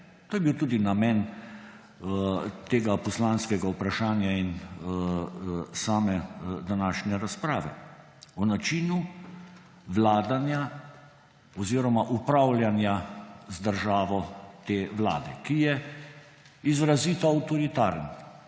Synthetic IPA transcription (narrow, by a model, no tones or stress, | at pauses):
t̪oːjɛbiːwt̪uːd̪inamɛːn | t̪eːɡapɔslaːnskɛɡaupɾaʃaːnjain | saːmɛd̪anaːʃnɛɾaspɾaːʋɛ̰ | ɔnat͡ʃiːnu | ʋlaːd̪anja | ɔziːɾɔmaʔupɾawljanjazd̪əɾʒaːʋɔt̪eːʋla̰ːd̪ɛkijɛ | izɾaziːt̪ɔawt̪ɔɾit̪aːɾn